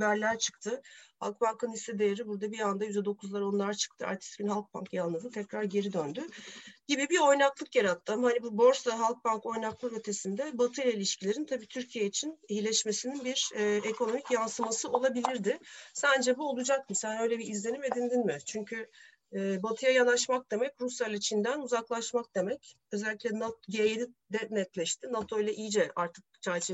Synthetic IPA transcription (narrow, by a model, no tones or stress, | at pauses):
bæɾlʲæɾt͡ʃʰɯ̥k̚t̪ʰɯha̰lˠk̚bankʰɯnisɛd̪ejeɾibuɾd̪abiand̪ajyzd̪ɛd̪o̞kʰuzlˠaɾo̞nlˠaɾt͡ʃʰɯ̥k̚t̪ʰɯa̰ɾt̪ʰi̥t̪̚ɟynhɦalˠk̚ba̰nkʰjanˠlˠɯd̪ɯt̪ʰɛcɾaɾɟe̞ɾid̪ønd̪yɟibibio̞jnaklˠɯkjaɾat̪ʰːɯmhanibubo̞ɾst̪aɦalˠk̚banko̞jnaklˠakø̞t̪ʰe̞sind̪ɛbat̪ʰɯlʲailʲiʃcilʲe̞ɾint̪ʰabiːt̪ʰyɾcʰijeit͡ʃʰinijilʲɛʃme̞sininbiɾɛːekʰo̞no̞micjansɯmasɯʔo̞lˠabilʲiɾd̪ɪsænd͡ʒɛbuolˠud͡ʒak̚mɯsænø̞jlʲɛbiizlʲe̞nime̞d̪ind̪inmɪt͡ʃʰyɲcʰy | ɛːbat̪ʰɯjajanaʃmak̚d̪e̞mɛcɾusjalʲˠit͡ʃʰind̪ænuzaklˠaʃmak̚d̪e̞mɛc | ø̞zɛlʲːiclʲɛnat̪ɟejed̪id̪ɛnɛt̪lʲɛʃt̪inat̪ʰo̞ilʲˠaʔijd͡ʒɛʔaɾt̪ʰɯ̥k̚t͡ʃʰɛɾt͡ʃʰe